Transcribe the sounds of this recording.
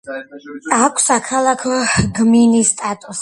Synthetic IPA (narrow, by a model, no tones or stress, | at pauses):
akʷʰsakʰalˠakʰɔɡminist̪ʼat̪ʼus